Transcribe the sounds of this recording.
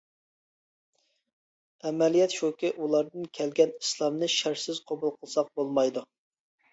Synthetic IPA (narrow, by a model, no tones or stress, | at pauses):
ɛmɛlijɛt̪ʃokʲiʔulˠɑɾd̪ɨnkʲʰɛlɡʲɛni̥slˠɑmnɨʃæɾsɪz̥qʰobulˠqʰəlˠsɑq̚bolˠmɑjd̪u